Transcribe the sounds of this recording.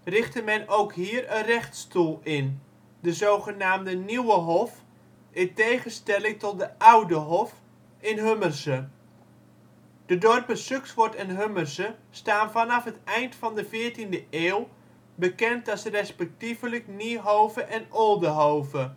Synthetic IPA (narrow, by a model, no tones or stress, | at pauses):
rɪχtəmɛnowkɦiːrənrɛχtstulˠɪn | dəzowχənaːmdəniwəɦɔf | ɪntejχəstɛlɪŋtɔt̚dəʔawdəɦɔf | ɪnɦømərsə | d̥ədɔrpəsøksʋɔɹtɪnɦømərsəstaːnvɑnɑfɦətɛjntfɑndəvɪːrtindəʔeːw | bəkɛntɑsrɛspɛk̚tivələkniɦowvəʔɛnolˠdəɦowvə